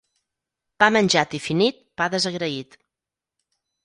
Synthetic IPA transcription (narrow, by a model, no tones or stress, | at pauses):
b̥amənʲʒat̪ifinit̪̚baðəzəɣɾəit̪